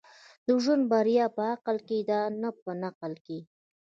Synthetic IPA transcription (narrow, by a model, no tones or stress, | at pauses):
d̪əʒunbaɾjɑpəaqəlked̪ɑnəp̚ənaqəlke